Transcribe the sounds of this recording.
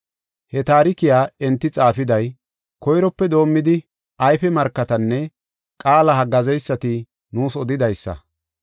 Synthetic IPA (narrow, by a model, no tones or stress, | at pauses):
hɛt̪aːɾɪkɪjaːɛnt̪ːɪt͡sʼaːfɪd̪ɐj | kɔjɾɔpːɛd̪o̞ːmːɪd̪ɪ | ɐjfɛmɐɾkːɐt̪ɐnːɛ | kʼaːlɐhɐɡɐzɛjsːɐt̪ɪ | nuːsɔd̪ɪd̪ɐjsːɐ̰